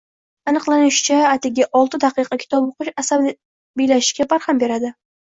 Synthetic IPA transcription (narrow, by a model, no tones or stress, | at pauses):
anɨqlˠanɪʃɪ̥t͡ʃʰaːt̪ʰɪɡʲaʔɒlˠt̪ɪd̪aqɨjqʰɑkʲʰɪ̥t̪ʰɒboqʊʃasa | bijlaʃɪ̥ʃkʲabaɾhambe̞ɾad̪ɪ